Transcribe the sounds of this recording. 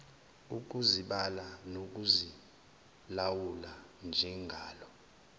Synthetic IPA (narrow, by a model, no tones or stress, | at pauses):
uk̬uziɓalanok̬uzi | lawuland͡ʒʱɛŋɡʱaːlɔ